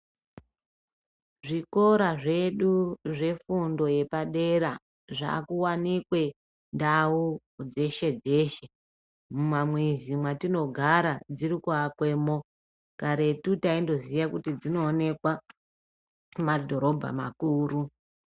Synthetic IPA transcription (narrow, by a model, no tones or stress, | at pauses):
ʐiko̞ɾaʐe̞ɗuʐe̞fundo̞je̞paɗe̞ɾa | ʐa̰kuwanikwe̞ | ndau | d͡ze̞ʃe̞d͡ze̞ːʃe | mumamwezimwatino̞ɡʱaɾad͡ziɾikwakwe̞mo | kaɾe̞tutaindo̞zijakutid͡zino̞ːne̞kwa | madʱoɾo̞bʱa̰ma̰kuːru